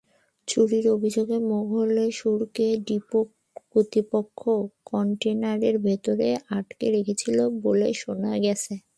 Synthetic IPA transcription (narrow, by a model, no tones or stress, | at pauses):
t͡ɕuɽiɾobʱid͡ʑoɡemoɡʱoleʃuɾkeɖipo | kot̪ipokʰːokɔɳʈenaɾeɾbʱet̪oɾeaʈkeɾekʰet͡ɕʰiloboleʃonaɡɛt͡ɕʰe